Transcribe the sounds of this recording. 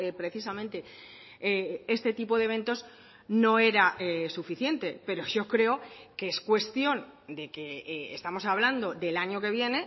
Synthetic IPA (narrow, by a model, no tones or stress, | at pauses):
epɾe̞θisamẽnt̪e̞ | e̞st̪e̞t̪ipo̞ðeβ̞e̞nt̪o̞z | no̞e̞ɾaesufiθje̞nt̪e̞pe̞ɾo̞ʝo̞kɾe̞okeeskwe̞st̪jo̞nd̪e̞keḛst̪amo̞saβ̞land̪o̞ðe̞laɲo̞ke̞β̞je̞ne̞